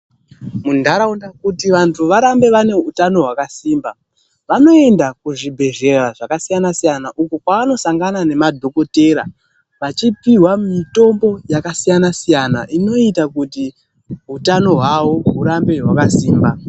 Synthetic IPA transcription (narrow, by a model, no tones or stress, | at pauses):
mundaɾaundakutiʋantʰuʋaɾambe̞ʋane̞ɦutano̞ɦwakasiːmba | ʋano̞e̞ndakuʐibʱe̞ʒe̞raʐakasijanasijanaʔukokwaʋano̞saŋɡanane̞madʱo̞ko̞te̞ːɾa̰ | ʋat͡ʃipiɦwammito̞mbo̞jakasijanasijana̰ʔino̞itakuti | ɦutano̞ɦwawo̞ɦuɾambe̞ɦwakasiːmba